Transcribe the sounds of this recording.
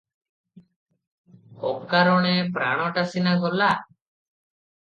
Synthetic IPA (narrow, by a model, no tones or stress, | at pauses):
hɔkːaɾɔɽ̃ɛpɾa̰ɽ̃ɔʈasinaɡɔla